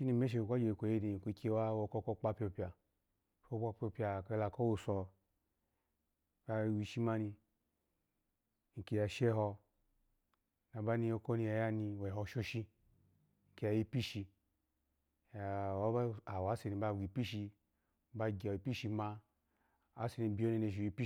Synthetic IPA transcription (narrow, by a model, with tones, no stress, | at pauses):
ʃi˦ni˧˨me˦ʃ̬e˧˨kʷa˦d͡ʒe˨kʷo˨je˦ni˨kʷu˨˧˦kʰʲe˦˧˦wa˦wo˧kɔ˦˧kɔ˦˧˦k͡pa˦pʲo˧pʲa˨˦ | ko˦k͡pa˦pʲo˧pja˧˨ka˧˦la˧ko˦wo˧sɔ˧˨ | ka˧˨wi˧ʃi˦ma˦ni˧ | ŋ̩˨ke˧ja˧˨ʃe˦ɦɔ˧ | na˨ba˦ni˧jo˦ko˦ni˧ja˧˨ja˦ni˧we˨ɦɔ˧˨ʃo˦ʃi˧ | ŋ̩˨ki˨˧ja˨ji˧pi˦ʃi˧ | a˨wa˦a˨wa˨˦se˧˨ni˧ba˧˨ɡʷi˨pi˦ʃi˧ | ba˧ɡʲa˨i˨pi˦ʃi˧ma˧ | a˦se˧ni˧˨bi˦o˦ne˧ne˧˨ʒi˨ji˧pi˦